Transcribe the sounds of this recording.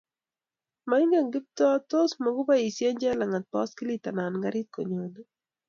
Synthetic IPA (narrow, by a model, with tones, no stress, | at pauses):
ma˨ɪ˦ŋɡa˨ŋɡɪ˦p̚t̪ɔ˦t̪o˦smɔ˨ɡʊ˦ba˦i˨sjɛ˦ɲd͡ʒɛ˦la˨ŋa˨t̪̚pɔ˦skɪ˦li˦t̪a˨na˨nŋɡa˦ɾɪ˦t̪̚ko̰˨ɲo˨ni˦